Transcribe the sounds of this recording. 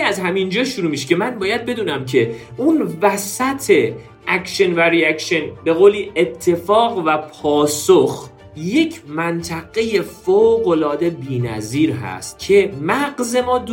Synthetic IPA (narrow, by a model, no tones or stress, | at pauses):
æzɦæmind͡ʒɒːʃuɾuːmiʃce̞mænbɒːjæd̪̚be̞d̪uːnæmcʰe̞unvæsæt̪ʰe̞ | ʔækʃenvæɾiækʃenbe̞ɣoːliet̪ʰːe̞fɒːɣvæpʰɒːsox | je̞cʰmænt̪ʰæɣe̞je̞foɣolɒːd̪e̞biːnæ̰ziːɾɦæ̰st̪̚cʰe̞mæɡze̞mɒːd̪